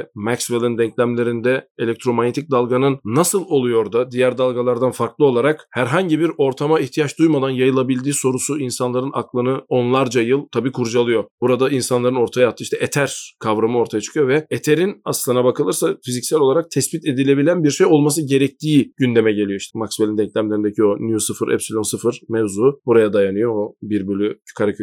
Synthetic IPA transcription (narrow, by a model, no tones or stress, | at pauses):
ɛmɛcsvelˠind̪ɛɲclʲæmlʲe̞ɾind̪ɛelʲɛc̚t̪ɾo̞manet̪ʰic̚d̪alˠɡanɯnːasɯlˠo̞lˠujo̞ɾd̪ad̪ijæɾd̪alˠɡalˠaɾd̪anfaɾklˠɯo̞lˠaɾakhæɾɦaɲɟibiɾo̞ɾt̪ʰamaiçt̪ʰijat͡ʃd̪ujmad̪anjajɯlˠabilʲd̪iːso̞ɾusuinsanlˠaɾɯnaklˠɯnɯo̞nlˠaɾd͡ʒajɯlˠt̪ʰabiːkʰuɾd͡ʒalˠɯjo̞b̥uɾad̪ainsanlˠaɾɯno̞ɾt̪ʰajaat̪ʰːɯiʃt̪ʰɛʔet̪ʰæɾkʰavɾamɯo̞ɾt̪ʰajat͡ʃʰɯ̥kʰɯjo̞vɛet̪ʰe̞ɾinaslˠɯnabakʰɯlˠɯɾsafizicsælʲo̞lˠaɾak̚t̪ʰɛsbit̪ʰe̞d̪ilʲe̞bilʲænbiɾʃe̞jo̞lˠmas̬ɯɟe̞ɾɛc̚t̪ʰiːɟ̥ynd̪e̞mɛɟe̞lʲijo̞iʃt̪ʰɛmaksbelʲind̪ɛɲclʲæmlʲe̞ɾind̪ecʰio̞njusɯfɯɾʔɛ̰psilʲomsɯfɯɾ̥mɛvzubuɾajad̪ajanɯjo̞obiɾbylʲyy̥kʰaɾacʰ